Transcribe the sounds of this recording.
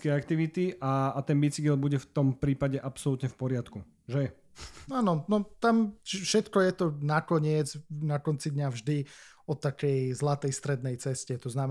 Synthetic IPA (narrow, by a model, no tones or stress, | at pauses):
kɛak̚t̪iʋit̪iʔaːt̪ɛnbit͡siɡɛlbuɟɛft̪ɔmpɾiːpaɟɛʔapsɔlut̪ɲɛfpɔɾɪat̪ku | ʒɛ | aːnɔnɔt̪amt͡ʃfʃɛt̪kɔjɛt̪ɔnakɔɲɪɛd͡znakɔnt͡sid̪ɲavʒd̪iɔt̪akɛjzlat̪ɛjst̪ɾɛd̪nɛjt͡sɛscɛt̪ɔznam